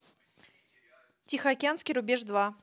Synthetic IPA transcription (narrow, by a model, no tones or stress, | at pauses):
tʲixəɐkʲɪanskʲɪjɾʊbʲeʐd̪va